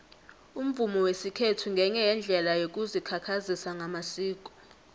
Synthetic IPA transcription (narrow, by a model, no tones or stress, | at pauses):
um̩vumɔwesikʰetʰuŋɡʱɛɲɛjɛnd͡ɮʱɛlajok̬ʼuzikʰakʰazisaŋʱamasiːk̬ʼɔ̥